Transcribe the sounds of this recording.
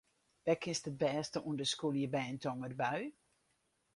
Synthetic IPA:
ʋɛkʰɪnstət̚bɛːstəʔuəndəskulˠjəbɛːntʰɔŋədbaɥ

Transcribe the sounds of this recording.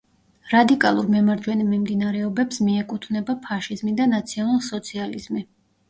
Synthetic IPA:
ɾad̪ikʼalˠuɾmɛmaɾd͡ʒwɛnimɛmd̪inaɾɛɔbɛpsmiɛkʼut̪ʰvnɛbapʰaʃizmid̪anat̪sʰiɔnalˠsɔt̪sʰializmi

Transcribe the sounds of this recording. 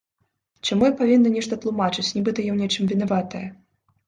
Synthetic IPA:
t͡ʂamujɛpavʲinːɐnʲɛʂt̪ɐt̪lˠumat͡ʂɨt͡sʲnʲibɨt̪ɐjawnʲɛt͡ʂɨmvʲinavat̪ɐjɐ

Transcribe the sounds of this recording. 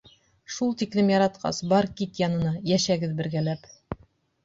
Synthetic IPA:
ʃulˠt̪iklɘmjɑɾɑt̪qɑ̰sbɑɾkit̪jɑnɤ̆nɑjæʃæɡɘðbɘ̆ɾɡælæp

